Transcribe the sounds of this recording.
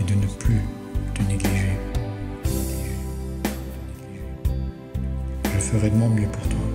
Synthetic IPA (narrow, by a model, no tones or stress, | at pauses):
ed̪ənəply | t̪əneɡliʒe | e | ʒəfəʁɛd̪əmɑ̃mjəpuʁt̪wa